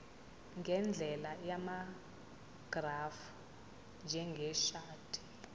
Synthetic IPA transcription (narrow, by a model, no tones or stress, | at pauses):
ŋɡʱɛnd͡ɮʱɛlajama | ɡ̥raf | nd͡ʒʱɛŋɡʱɛʃaːtʰʼi̥